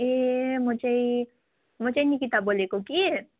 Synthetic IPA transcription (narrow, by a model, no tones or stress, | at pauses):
emʊt͡ʃei | mʊt͡ʃeinikit̪abolekoki